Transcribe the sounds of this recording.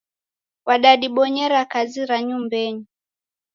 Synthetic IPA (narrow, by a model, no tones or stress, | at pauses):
waɗaɗiɓɔɲɛɾakaziɾaɲumbɛɲi